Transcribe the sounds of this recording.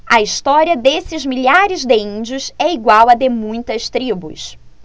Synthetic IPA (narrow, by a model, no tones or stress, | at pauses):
ɐist̪ɔɾiɐd̪esɪzmiʎaɾɪzd̪ɪĩd͡ʒiʊsɛiɡwawɐd̪emũj̃t̪ɐst̪ɾibʊ̰s